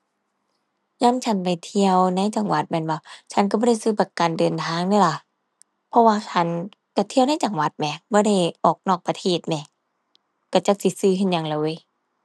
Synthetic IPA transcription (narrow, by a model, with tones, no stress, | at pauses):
jaː˧˥˨ŋt͡ɕʰa˧˥˨npa˨jt̪ʰi˧əwna˧˥˨jt͡ɕa˧ŋwa˨˧˦t̪̚mɛː˧˥˨nwa˧˩t͡ɕʰa˧˥nk̬a˧˩bɔː˧˩ɾa˧˥˩jsɯː˧˩pa˧ka˨˩ndɤː˨nt̪ʰaː˧˥˨ŋdɯ˧˥˨la˧˩ | pʰɔ˧˥waː˧t͡ɕʰa˦˧˥n | ka˧˩t̪ʰi˧əwna˧˥˨jt͡ɕa˨˩ŋwa˧˦t̪̚mɛ˧˩bɔː˧˥˦ɾa˧˥˩jʔɔː˨˩k̚nɔː˧˩k̚pa˧t̪ʰeː˧˩t̪̚nɛ˧˩ | ka˧˩t͡ɕa˧˦k̚si˧˦sɯː˧˩kʰe˧˨nja˧˨ŋla˧˩wɤː˧˥˨j